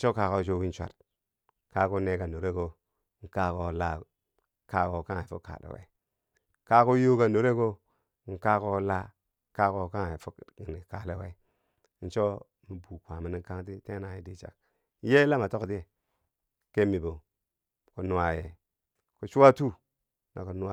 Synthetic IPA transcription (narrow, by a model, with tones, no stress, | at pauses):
t͡ʃo˦ka˨ko˦t͡ʃo˦wi˦n˦t͡ʃʷa̰˨t | ka˦ku˦ne˦ka˨no˨ɾe˦ko˨ | ŋ̩˨ka˦ko˦˨la˦ | ka˦ko˨ka˦ŋ˨fu˦kːa̰˨lḛ˨wḛ˨˦ | ka˦ko˦jo˦ka˨no˨ɾe˦ko˦ | ŋ̩˨ka˦ko˦la˦ | ka˦ko˦ka˦ŋ˨fu˦˨ni˨ka˨le˦we˦ | n̩˨t͡ʃo˦ | mi˨bu˨kʷa˨mi˨ni˦ka˦ŋt̬i˦te˦na˨ji˦di˦t͡ʃa̰˨k | je˦la˦ma˨to˦kti˦e˨ | ke˦mi˨bo˨ | ku˨nu˨˦a˨je˨ | ku˨t͡ʃu˦wa˦tu˦ | na̰˨ku˨nu˦a˦